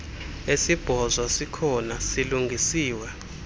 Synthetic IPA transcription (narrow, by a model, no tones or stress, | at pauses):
esib̥ʱɔzwɔsikʰɔnasiluŋɡʱisiːwɛ